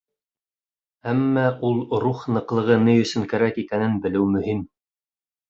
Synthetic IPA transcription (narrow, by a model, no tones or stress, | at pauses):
æmːæʔulˠɾuχnɤ̆qlˠɤ̆ʁɤnɘjɵ̆sɵ̆ŋkæɾækikænɘnbɘ̆lɘwmɵ̆him